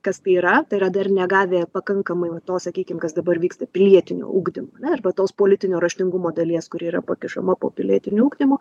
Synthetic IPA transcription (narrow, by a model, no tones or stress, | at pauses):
kɐst̪ɐɪiɾɐt̪ɐɪɾɐd̪ɐrnʲɛɡɑːʋʲeːpɐkɐŋkɐmɐɪʋɐt̪oːsɐkʲiːkʲɪmkɐsd̪ɐbɐrʋʲiːkst̪ɐpʲɪlʲiɛt̪ʲɪnʲo̰ːʔuːɡd̪ʲɪmoːɐnʲɛɪrbɐt̪oːspoːlʲɪt̪ʲɪnʲoːɾɐʃʲt̪ʲɪŋɡʊmoːd̪ɐlʲiɛskʊɾʲiɛiːɾɐpɐkʲɪʃɐ̰mɐpo̰ːpʲɪlʲiɛt̪ʲɪnʲʊuːɡd̪ʲɪmoː